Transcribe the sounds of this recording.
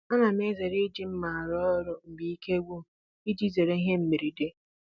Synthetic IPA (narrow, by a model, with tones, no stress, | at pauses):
a˦na˨m˦e˦ze˨ɾe˦d͡ʒi˦m̩˦ma˨a˨ɾɔ˦ɾʊ˨m̩˨bi˨i˦ke˦ɡʷu˦˨ | i˦d͡ʒi˦ze˨ɾe˦i˦ɦe˦m̩˦mi˨ɾi˨de˦